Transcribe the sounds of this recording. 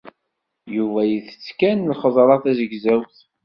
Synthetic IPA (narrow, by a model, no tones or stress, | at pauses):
juvæjəθə̥t͡sːkænlχəzˤɾˤɑθæzəɡzæwθ